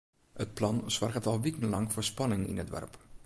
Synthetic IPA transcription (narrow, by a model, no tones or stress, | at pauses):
ət̚plɑnswɑrɣətɑlˠʋikənlɑŋfʊːɹspɑnɪŋḭnətʋɛ̰rp